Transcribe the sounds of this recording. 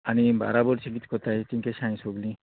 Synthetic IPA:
añiba̰ɾabɔɽt͡ɕeɡit̪kɔt̪aɦit̪ĩŋkeɕãĩsoɡlĩ

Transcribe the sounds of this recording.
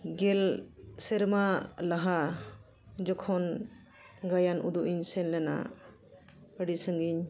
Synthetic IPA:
ɡɛlseɾmalaɦa | d͡ʒɔkʰɔn | ɡajanʔud̪uʔiɲsɛnlɛna̰ | əɽisəŋɡiɲ

